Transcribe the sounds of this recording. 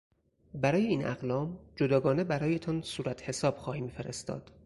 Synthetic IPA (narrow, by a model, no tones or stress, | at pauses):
bæɾɒːjeiːnæ̰ɣlɒːmd͡ʒod̪ɒːɡɒːne̞bæɾɒːje̞t̪ʰɒnsuːɾæt̪ʰhe̞sɒːb̥xɒːhiːmfe̞ɾʔest̪ɒ̰ːd̪̥